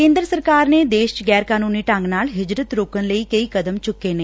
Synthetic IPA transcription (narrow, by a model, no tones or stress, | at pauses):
kẽːnd̪ɾəsəɾkaːɾneːd̪eːʃɡɛːɾkaːnuːniːʈaŋɡnaːlɦɪd͡ʒɾət̪ɾoːkənləiːkəiːkəd̪əmt͡ʃʊkːeːneː